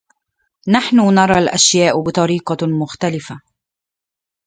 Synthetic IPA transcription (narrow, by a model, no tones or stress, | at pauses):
naħnʊnɑɾˤɑlʔaʃjaːʔbɪt̪ˤɑɾiːqɑmʊxt̪alɪfa